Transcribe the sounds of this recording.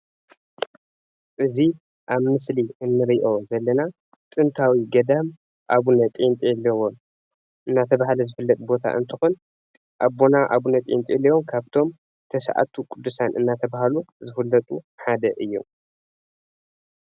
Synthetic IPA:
ʔɨzi | ʔaβmɨsliɨnːɨɾiʔo̞zɐlːɐna | t̪ʼɨnt̪ʰawiɡɐd̪am | ʔaβunɐt̪ʼint̪ʼjɛlːɐwom | ʔɨnːat̪ʰɐβahalɐzɨfɨlːɐt̪ʼbo̞t̪ʰa̰ʔɨ̰nt̪ʰɨxun | ʔaβːo̞naʔaβunɐt̪ʼḭɨ̰nt̪ʼjɛlːiwomkʰaβt̪ʰo̞m | t̪ʰɐsa̰ʕa̰t̪ʰukʼud̪ːusanʔɨ̰nːat̪ʰɐβahaluzɨfɨlːɐt̪ʼu | ħad̪ɐʔɨjːṵ

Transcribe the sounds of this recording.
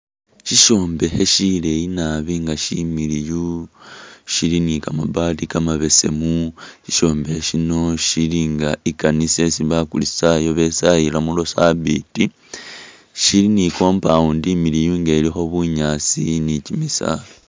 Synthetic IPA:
ʃiʃo̞ːmbe̞heʃile̞jinaβiːŋɡaʃimiɾiju | ʃilinikamabaːtikamaβe̞se̞̰muʃiʃo̞ːmbeheʃino̞ʃiliŋɡaikanise̞siβakulisajo̞βe̞sajilamulo̞saβiti | ʃiliniko̞ːmpauːndimiɾijuːŋɡeːɾiho̞βuɲaːt͡sinicimisa̰

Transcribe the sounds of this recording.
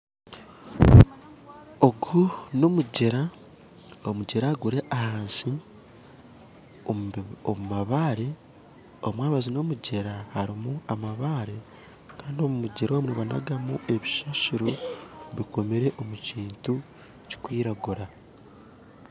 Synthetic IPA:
o̞ɡuno̞muɟe̞ɾa | omuɟeɾaːɡuɾe̞ʔahaːnsi | omumaβaːɾe̞ | omwaːɾuβazino̞muɟe̞ɾahaɾimuamaβaːɾe̞ | kaːndiomumuɟeɾo̞ːmuneβana̰ɡamue̞βiʃaʃiɾoβiko̞meɾe̞ʔo̞muciːntu | ci̥kwiːɾaɡuɾa

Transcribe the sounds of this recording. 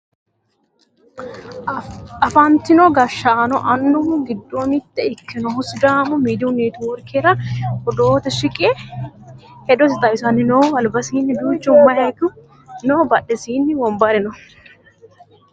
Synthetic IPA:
ɐfɐnt̪ɪnoɡɐʃːaːnɔʔɐnːʊɡɪd̪ːoːmɪt̪ːɛɪkʰːɛnɔhʊsd̪aːmʊmiːd̪uneːt̪ʊwɔɾkʰeːɾɐɔd̪oːt̪ɛʃɪkʼe | hɛd̪ɔsɪt̪ɐjɪsɐnːɪnoːɐlbɐsiːnːɪd̪uːt͡ʃːʊmːɐjɐkʊ | noːbɐᶑɛsiːnːɪwɔmbɐɾɛnɔ

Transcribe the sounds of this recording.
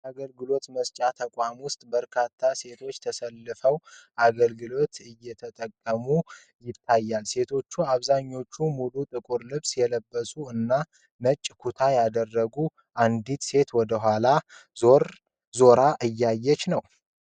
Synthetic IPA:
aɡəlɡɨlo̞t̪məst͡ʃʼat̪ʰəkʷʼamwʊst̪ʼbəɾkʰat̪ʰːase̞t̪ʰo̞t͡ʃːt̪ʰəsəlːɨfəwʔaɡəlɡɨlo̞t̪ɨjːɛt̪ʰət̪ʼəkʼːəmu | jɪt̪ʰːajːalse̞t̪ʰo̞t͡ʃːuaβzaɲːo̞t͡ʃːumulut̪ʼɨkʼuɾlɨβsjɛləbːəsʼuɨnːa | nət͡ʃʼːkʰut̪ʰajad̪ərːəɡu | ʔand̪it̪se̞t̪wɔd̪əɦʷalaɾ | zo̞ɾaʔɨjːajːɛt͡ʃːnəw

